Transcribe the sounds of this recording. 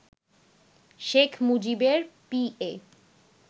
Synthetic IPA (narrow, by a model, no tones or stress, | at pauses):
ʃekʰmud͡ʑibeɾpie